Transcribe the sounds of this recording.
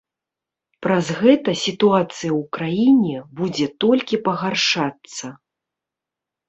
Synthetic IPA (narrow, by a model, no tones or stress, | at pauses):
pɾazɣɛt̪ɐsʲit̪uat̪sɨjɐwukɾajinʲɛbud͡zʲɛt̪ɔlʲkʲipɐɣarʂat̪sːɐ